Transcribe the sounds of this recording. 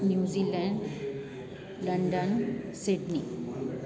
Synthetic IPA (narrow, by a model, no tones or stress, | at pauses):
njuːd͡ʑilɛɳɖ | lɐɳɖənsiɖni